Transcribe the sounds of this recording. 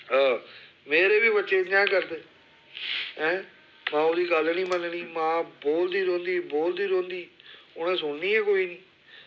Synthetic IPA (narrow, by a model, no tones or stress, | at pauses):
aː | meːɾeːbiːbətːʃeːd͡ʒãːkəɾd̪eː | ɦɛ̃ː | mãːod̪iːɡəlnĩːmənɳiːmãːboːld̪iːɾõːnd̪iːboːld̪iːɾõːnd̪iːʊnẽːsʊɽniːɛːkoːiːnĩː